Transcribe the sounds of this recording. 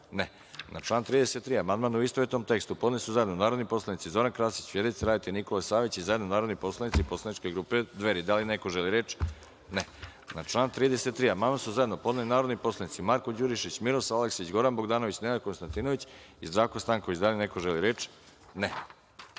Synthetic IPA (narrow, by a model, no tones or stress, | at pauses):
ne | nat͡ʃlˠaːnt̪ɾiːd̪eset̪ːɾiːamand̪manuist̪oʋet̪nomt̪e̞kst̪upo̞d̪nalisuzajed̪nonaːɾod̪nipo̞slˠanit̪sizo̞ɾankɾaːsi̥t͡ɕfjed̪ejt̪seɾaːdit̪iniko̞lesaːʋit͡ɕizajed̪nonaːɾo̞d̪nipo̞slˠanit̪sipo̞slˠanit͡ʃkeɡɾuːped̪ʋe̞ɾid̪alinekoʒeliɾe̞t͡ʃ | ne | nat͡ʃlˠaːnt̪ɾiːd̪eset̪ːɾiːamand̪mansuzaje̞d̪no̞po̞d̪nalinaːɾo̞d̪nipo̞slanit̪simaɾkod͡ʑuɾiʃit͡ɕmiɾosaleksit͡ɕɡo̞ɾanbo̞ɡd̪aːnoʋit͡ɕnenako̞nst̪ant̪inoʋit͡ɕ | izd̪ɾaːʋkost̪aːŋkoʋit͡ɕd̪alinekoʒeliɾe̞ːt͡ʃ | ne